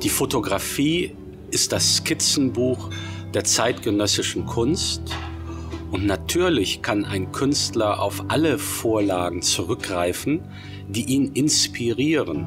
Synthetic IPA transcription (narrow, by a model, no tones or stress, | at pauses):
d̥iːfotoɡʁafiː | ʔɪstd̥asːkʰɪt͡sn̩buːxd̥eːɐt͡saɪtɡ̥ənœsɪʃn̩kʰʊnst | ʔʊntnatʰyːɐlɪçkʰanʔa̰ɪnkʰʏnstlɐʔa̰ʊfʔaləfoːɐlaːɡŋ̩t͡suʁʏk̚ɡ̥ʁaɪfn̩ | d̥iːʔiːnɪnspʰiʁiːʁən